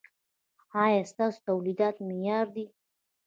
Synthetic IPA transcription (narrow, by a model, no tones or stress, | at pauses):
ɑjɑst̪ɑso̥t̪awlid̪ɑt̪mɪjɑɾd̪i